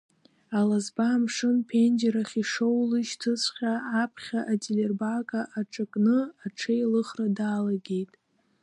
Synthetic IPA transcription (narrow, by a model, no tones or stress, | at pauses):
alazbaːmʂɨnpʰendeɾaχʲiʂo̞wlɨʃtʰɨsʷʰʼχʲaːpʰχʲaʔatʼilerbakʼaʔaʈ͡ʂʰʼakʼnɨaʈ͡ʂʰejlɨχradaːlaɡʲe̞jtʼ